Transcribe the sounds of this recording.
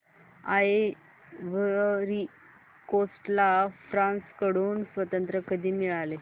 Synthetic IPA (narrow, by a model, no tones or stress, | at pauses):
ae | ʋəɾi | kosʈlafɾãnskəɽ̤uːnsʋət̪ənt̪ɾəkəd̪ʱiːmiɭale